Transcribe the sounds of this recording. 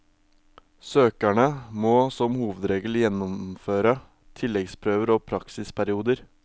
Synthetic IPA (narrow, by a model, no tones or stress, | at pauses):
søːkæɳəmoːsɔmhuːʋəd̪ɾeːɡəl̩jɛnʊmføːɾə | t̪ʰɪlɛɡspʰɾøːʋəɾoːpʰɾɑksɪspʰæɾɪuːd̪əɾ